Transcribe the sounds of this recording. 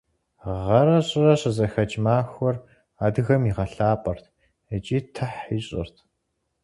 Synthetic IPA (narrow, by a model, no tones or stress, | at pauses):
ʁɐɾɐɕʼɪrɐɕʼɐzɐxɐt͡ʃʼmaːxʷɔr | aːdɨɣɐmiʁɐɬaːpʼɐrtʰ | ət͡ʃʼiːtʰɐħiːɕʼɪ̰rtʰ